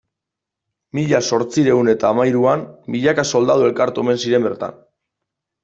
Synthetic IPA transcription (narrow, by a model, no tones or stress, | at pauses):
miʎaso̞ɾt͡siɾe̞une̞t̪aːmajɾuanbiʎakaso̞ld̪að̞ue̞lkaɾt̪ueme̞nsiɾe̞mbe̞ɾt̪a̰n